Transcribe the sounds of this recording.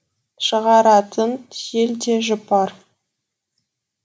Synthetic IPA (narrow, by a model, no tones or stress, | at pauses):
ʃəʁɑɾɑt̪ʰənʒeld̪e̞ʒʊpɑɾ